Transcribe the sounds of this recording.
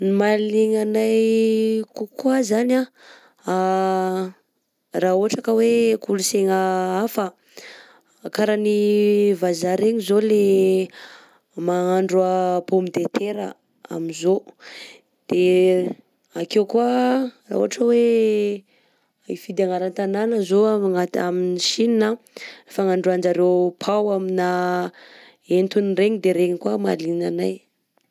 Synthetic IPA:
nimaleŋanajkukwazana | a | raoɦaʈ͡ʂakəwekuluseŋaafə | kaɾanivazaɾeɲizole | maaɳɖ͡ʐapomid̪et̪ʰeɾə̰ | a̰minzo | d̪̥e | akewkuara̰ṵaʈ͡ʂəwe | aifid̪aŋaɾant̪ananəzoŋat̪a̰miniʃinina | efaŋaɳɖ͡ʐuand͡ʒaɾewpʰawamina | ent̪unreɲid̪eɾeɲikwamalinanaj

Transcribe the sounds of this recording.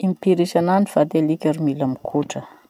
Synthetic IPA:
impiɾiʃananiv̥at̪alikʲaɾumilamikʰuʈ͡ʂə

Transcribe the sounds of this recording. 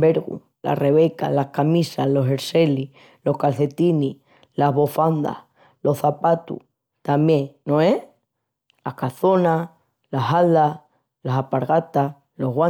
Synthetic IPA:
beɾɣṵ | la̰re̞βe̞ka̰lahkamisalo̞se̞ɾse̞lih | lo̞hkalθe̞t̪ini | laɦβo̞fand̪a̰h | lo̞hθapat̪ṵ | t̪amje̞ŋnoe | lahkaθo̞na | laɦald̪a | lasapaɾɣat̪as | lo̞ɦɣwa

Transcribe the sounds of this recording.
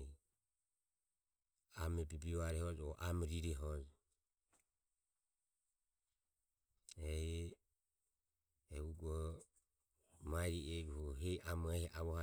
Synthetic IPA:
amɛbibiɔaɾɛhɔd͡ʒɔʔamɾiɾɛɦɔd͡ʒ | ɛ | ɛuɡɔ | maiɾiɛd͡ʒuhɔɦɛamɔɛhɛʔaβɔha

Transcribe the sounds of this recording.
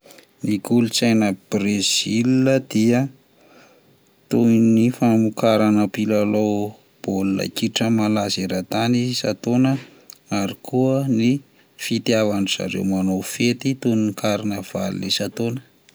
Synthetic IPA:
nikulut͡sajnəb̥rez̥ilnəd̪̥iə | t̪unifamukaɾanəpilalow | b̥oluna̰kiʈ͡ʂəmalazeɾat̪anisat̪onə | aɾikʰuəni | fit̪iavanuz̥a̰ɾḛwmanofet̪it̪unnikʰaɾinəv̥a̰lḭlḛsat̪onə̥

